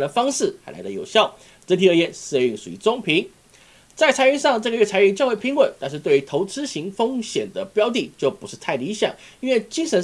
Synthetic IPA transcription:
d̪ə˩fɑ˥ŋʂɻ̩˥˩xa˧˥ɪla̰˧˥ɪlə˧jo˨˩ʊɕjɑ˥˩ʊ | ʈ͡ʂə˧˥nt̪ʰi˧˥ə˧˥jɛ˥˩ns̩˧y˥˩ŋʂu˨˩ḭ˧˥t͡so˥˩ŋpʰi˧˥ŋ | t͡sa˥˩ɪt͡sʰa˧˥y˥˧nʂɑ˥˧ŋʈ͡ʂɤ˥˩ɡə˧ɥɛ˥˩t͡sʰa˧˥ɪy˧˥t͡ɕjɑ˥˧ʊxe˥˩pʰi˧˥wə˨˩nt̪a˥˧nʂ̬ɻ̩˧we˥˩ɪy˧˥t̪ʰo˧˥ʊt͡sɹ̩˥ɕi˧˥ŋfɤ˥ŋɕjɛ˨˩nd̪ə˦pjɑ˥ʊt̪i˥˩t͡ɕjo˥˩ʊpu˧˥ʂɻ̩˥˧t̪ʰa˥˩ɪli˧˥ɕjɑ̰˨˩˦ŋ | i˥nwe˥˩ɪt͡ɕi˥ŋʂə˧˥n

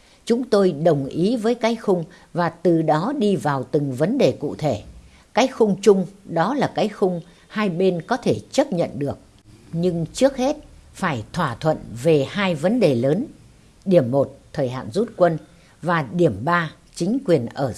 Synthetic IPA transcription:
t͡ɕʊ˨˦ŋ͡mt̪o˧jɗə˨˩wŋ͡mʔi˨˦vəː˨˦jkaː˨˦jxʊ˧ŋ͡m | vaː˨˩t̪ɨ˨˩ɗɔ˨˦ɗi˧vaː˨˩wt̪ɨ˨˩ŋvə˨˦nɗe˨˩kṵ˧˨t̪ʰe˧˩ | kaː˨˦j̚xʊ˧ŋ͡mt͡ɕʊ˧ŋ͡mɗɔ˨˦laː˨˩kaː˨˦jxʊ˧ŋ͡m | haː˧jɓe˧nkɔ˨˦t̪ʰe˧˩t͡ɕə˦˥t̚ɲə̰˧˨nɗɨ˨˩ək̚ | ɲɨ˧ŋt͡ɕɨ˦˥ək̚he˦˥t̚faː˧˩jt̪ʰwaː˧˩t̪ʰwə̰˧˨nve˨˩haː˧jvə˨˦nɗe˨˩ləː˨˦n | ɗi˧˩əmːo˨˩t̚t̪ʰəː˨˩jɦa̰ː˧˨nzu˦˥t̚kwə˧n | vaː˨˩ɗi˧˩əmɓaː˧ | t͡ɕï˨˦ŋ̟kwi˨˩ənʔəː˧˩

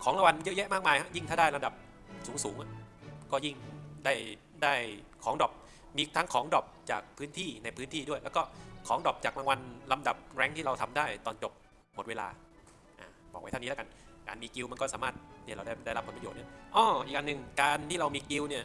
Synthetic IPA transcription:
kʰɔː˨˦ŋla˧wa˧njɤ˦˥ʔjɛ˦˥ʔmaː˥˩k̚maː˧jha˦˥ʔji˥˩ŋʰaː˥˩daː˥˩jla˧mda˨˩p̚ | suː˩˦ŋsuː˩˦ŋʔa˧˩kɔː˥˩ji˥˩ŋdaː˥˩j | daː˥˩jkʰɔː˩˦ŋdɔː˨˩p̚ | miː˧t̪ʰaː˦˥ŋkʰɔː˩˦ŋdɔ˨˩p̚t͡ɕa̰ː˨˩k̚pʰɯː˦˥nt̪ʰiː˥˩na˧jpʰɯː˦˥nt̪ʰiː˥˩du˥˩əjlɛ˦˥wkɔː˥˩kʰɔː˩˦ŋdɔ˨˩p̚t͡ɕaː˨˩k̚la˧ŋwa˧nla˧mda̰˨˩p̚ɾɛ˧˥ŋt̪ʰiː˥˩ɾa˧wt̪ʰa˧mdaː˥˩jt̪ɔː˧nt͡ɕo˨˩p̚ | mo˨˩t̪̚weː˧la̰ː˧ | ʔa̰ː˨˩bɔː˨˩k̚wa˦t̪ʰnː˦˥˦ka˧nkaː˧nmiː˧ki˧wma˧nkɔː˥˩saː˩˦maː˥˩t̪̚ːi˥˩ɾa˧wda˥˩da˥˩jɾa˦˥pʰpa˧o˨˩t̪̚ɯ˦˥ʔɔː˧˩ʔi˨˩k̚ʔa˧nɯ˨ŋkaː˧nt̪ʰiː˥˩ɾa˧wmiː˧ki˧wni˥˩ɐ

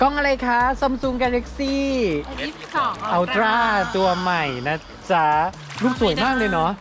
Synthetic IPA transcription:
kɔ˧˩ŋʔa˧ɾa˧jkʰa˦˥so˧msu˧ŋkɛː˧la˦˥k̚siː˥˩ | ʔa˧˩wt̪ɾaː˥˩t̪u˧ɐma˨˩jna˦˥ | t͡ɕa˧˩ | ɾuː˥˩p̚su˨˩˦jmaː˥˩k̚lɤː˧jnɔ˦˥ʔ

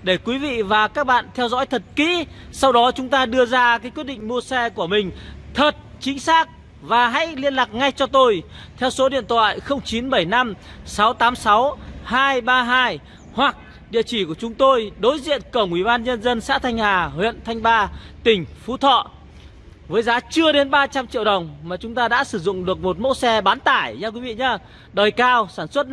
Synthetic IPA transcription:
ɗe˧˩kwi˨˦vḭ˧˨vaː˨˩kaː˦˥k̚ɓa̰ː˧˨nt̪ʰɛ˧wzɔ̰˧˥jt̪ʰə˨˩t̚kḭ˧˥ | sa˧wɗɔ˨˦t͡ɕʊ˨˦ŋ͡mt̪aː˧ɗɨ˧əzaː˧kaː˨˦jkwi˦˥t̚ɗḭ˧˨ŋ̟mu˧əsɛ˧ku˧˩əmï˨˩ŋ̟t̪ʰə˨˩t̚t͡ɕï˨˦ŋ̟saː˦˥k̚ | vaː˨˩ɦa̰˧˥jli˧ənlaː˨˩k̚ŋa˧jt͡ɕɔ˧t̪o˧jt̪ʰɛ˧wso˨˦ɗḭ˧˨ənt̪ʰwa̰ː˧˨jxə˧wŋ͡mt͡ɕi˨˦nɓə˧˩jna˧m | sa˨˦wt̪aː˨˦msa˨˦whaː˧jɓaː˧ɦaː˧j | hwa˨˩k̚ | ɗḭ˧˨ət͡ɕi˧˩ku˧˩ət͡ɕʊ˨˦ŋ͡mt̪o˧jɗo˨˦jzḭ˧˨ənkə˧˩wŋʔwi˧˩ɓaː˧nɲə˧nzə˧nsa̰ː˧˥t̪ʰa˧jŋ̟haː˨˩hwḭ˧˨ənt̪ʰa˧jŋ̟ɓaː˧t̪ï˨˩ŋ̟fu˧˥t̪ʰɔ̰˧˨ | vəː˨˦jzaː˨˦t͡ɕɨ˧əɗe˨˦nɓaː˧t͡ɕa˧mt͡ɕḭ˧˨əwɗə˨˩wŋ͡mmaː˨˩t͡ɕʊ˨˦ŋ͡mt̪aː˧ɗa̰ː˧˥sɨ˧˩zʊ̰˧˨ŋ͡mɗɨ˨˩ək̚mo˨˩t̚mo̰˧˥sɛ˧ɓaː˨˦nt̪aː˧˩jɲaː˧kwi˨˦vḭ˧˨ɲaː˧ | ɗəː˨˩jkaː˧wsaː˧˩nswə˦˥t̚

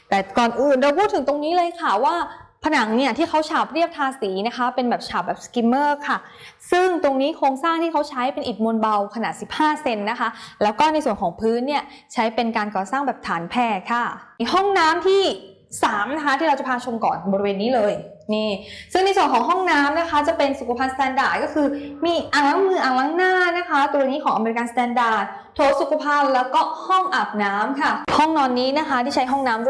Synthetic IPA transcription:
t̪ɛː˨˩kɔː˨˩nʔɯː˨˩nɾa˧wpʰuː˥˩t̪ʰːɯ˩˦t̪o˧ŋniː˦˥lɤː˧jkʰa˥˩waː˥˩pʰa˧na˩˦ŋni˥˩ɐt̪ʰiː˥˩kʰa˦˥wt͡ɕʰaː˨˩p̚ɾi˥˩əp̚t̪ʰaː˧siː˩˦na˦˥kʰa˦˥pe˧nbɛː˨˩p̚t͡ɕʰaː˨˩p̚bɛː˨˩p̚ski˧mːɤː˥˩kʰa˥˩ | sɯ˥˩ŋt̪o˧ŋniː˦˥kʰɾoː˧ŋsaː˥˩ŋt̪ʰiː˥˩kʰa˦˥wt͡ɕʰa˦˥jpe˧nʔi˨˩mo˧nba˧wkʰa˧naː˨˩t̚si˨˩p̚haː˥˩se˧nːa˦˥kʰa˦˥lɛː˦˥wkɔː˥˩na˧jsu˨˩ənkʰɔː˨˩˦ŋpʰɯː˦˥nːi˥˩ɐ | t͡ɕʰa˦˥jpe˧nkaː˧nkɔː˨˩saː˥˩ŋbɛː˨˩p̚t̪ʰaː˩˦npʰɛː˥˩kʰa˥˩hɔ˥˩ŋnaː˦˥mt̪ʰiː˥˩ | saː˩˦mna˦˥kʰa˦˥t̪ʰiː˥˩ɾa˧wt͡ɕa˨˩pʰaː˧t͡ɕʰu˧mkɔ̰ː˨˩nbɔː˧ɾi˧weː˧nːiː˦˥lɤː˧j | niː˥˩sɯ˥˩ŋna˧jsu˨˩ənkʰɔː˩˦ŋɦɔ˥˩ŋnaː˦˥mna˦˥kʰa˦˥t͡ɕa˨˩pe˧nsu˨˩kʰa˧pʰa˧nst̪ɛː˧ndaː˨˩t̪̚kɔː˥˩kʰɯː˧miː˧ʔaː˨˩la˦˥mɯː˧˩ʔaː˨˩la˧˥ŋnaː˥˩na˦˥kʰa˦˥t̪u˧a˧niː˦˥kʰɔː˩˦ʔa˧me˧ɾi˧ka˧nst̪ɛː˧ndaː˨˩t̪̚ | t̪ʰoː˨˦˥su˨˩kʰa˧pʰaː˧˩wlɛː˦˥wkɔː˥˩hɔ˥˩ŋʔaː˨˩p̚naː˦˥mkʰa˥˩hɔ˥˩ŋnɔː˧nːiː˦˥na˦˥kʰa˦˥t̪ʰiː˥˩a˦˥jɦɔ˥˩ŋnaː˦˥m

